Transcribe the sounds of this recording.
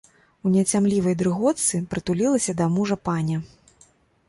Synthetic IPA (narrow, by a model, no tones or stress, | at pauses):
unʲɛt͡sʲamlʲivɐjd̪ɾɨɣɔt̪sɨpɾɨt̪ulʲilˠɐsʲɐd̪ɐmuʐɐpanʲɐ